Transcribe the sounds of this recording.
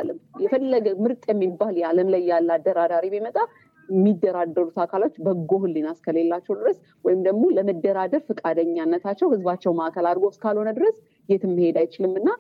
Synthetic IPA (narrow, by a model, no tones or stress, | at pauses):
lːəmjɛfəlːəɡəmɨɾt̪ʼjɛmːibːaljaləmlajːalːad̪ːəɾad̪aɾibimət̪ʼa | ɛmːid̪ːəɾad̪ːəɾut̪akʰalot͡ʃːbəɡːohɨlːinaskʰəle̞lːat͡ʃːɛwd̪ɨɾəs | wɔjɪmd̪əɡmo̞ləməd̪ːəɾad̪əɾfɨkʼad̪əɲːanːət̪ʰat͡ʃːɛwhɨzbat͡ʃːɛwmaʔkəlad̪ɡo̞skʰalho̞nəd̪ɨɾəs | jɛt̪ɨmːɨhe̞d̪ajt͡ʃɪlɨmːɨnːa